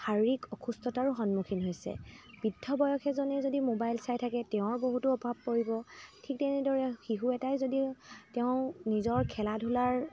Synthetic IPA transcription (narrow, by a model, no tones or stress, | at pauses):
haɹikɔkʰustɔtaɹuxɔnmukʰinɦojsɛ̰b̥idʱːɔbɔjɔkʰɛzɔnɛzodimobajlsajtʰakɛtɛʊ̃ɹboɦutʊɔbʱab̚koɹibɔtʰik̚tɛnɛdɔɹɛxiɦuɛtajzoditɛʊ̃nizɔɹkʰɛladʱulaɹ